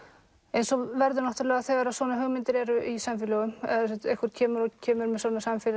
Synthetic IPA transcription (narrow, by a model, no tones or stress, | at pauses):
ejnsɔvɛɾðʏnɔht̪ʏɾlɛːɣaðθɛɣaɾaðsvɔːnaɦœɣmɪnt̪ɪɾɛɾʏʔisamfɪlɛɣʏmɛðsɛt̪ehkʏɾ̥cʰɛːmʏɾɔcʰɛːmʏɾmɛsɔːnasamfɪl